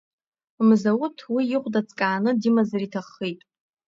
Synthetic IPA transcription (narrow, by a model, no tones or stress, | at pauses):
mzawʊtʰwiɪχʷdat͡sʼkʼaːnɨdimazaritʰaχːejtʼ